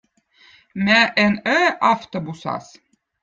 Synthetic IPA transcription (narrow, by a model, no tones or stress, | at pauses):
mæʔɛnœʔɑft̪obusɑ̰s